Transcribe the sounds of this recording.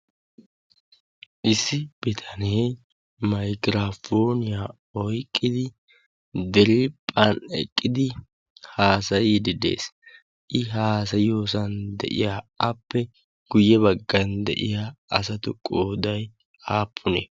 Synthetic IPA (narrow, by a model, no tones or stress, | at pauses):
ʔɪsːɪb̥ɛt̪ʰɐneː | mɐjɡɾafoːnɪja | ɔjkʼːɪd̪ɪ | d̪ɛɾɪpʼːɐnɛ̰kʼːɪd̪ɪ | haːsɐjid̪ɪd̪e̞̰ːs | ʔɪɦaːsɐjɪoːsɐnd̪ɛ̰ʔɪ̰jaːɐpːɛ | ɡ̥ʊjːɛβɐɡːɐnd̪ɛ̰ʔɪ̰jaːɐsɐt̪ʊkʼoːd̪ɐj | aːpʰːʊnḛ